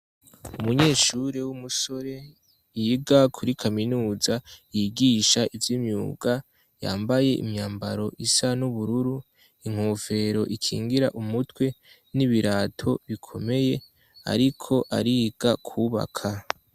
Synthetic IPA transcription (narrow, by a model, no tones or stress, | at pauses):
umuɲe̞ːʃuɾewumuso̞ɾe̞ | jiɡakʰuɾikʰaminuːzajiɡiːʃaivjimɲṵːɡa | ja̰ːmbaje̞ʔḭmɲaːmbaɾo̞ʔisanuβuɾuɾu | iŋ̥ho̞ːve̞ɾo̞ʔikʰḭːŋɡiɾa̰ʔumutwe̞ | niβiɾaːtʰo̞βikʰo̞me̞je̞ | a̰ɾikʰo̞ʔa̰ɾiɡ̥akʰuːβa̰kʰa